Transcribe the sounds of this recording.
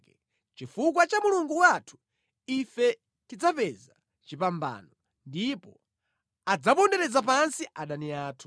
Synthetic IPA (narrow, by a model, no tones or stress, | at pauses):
t͡ʃifuk̬wat͡ʃamuluŋɡuwatʰu̥ | ifɛ | tid͡zapɛza | t͡ʃipamba̰nɔ | ndipɔ | ad͡zapɔndɛɾɛd͡zap̬ansiʔaɗaniaːtʰu̥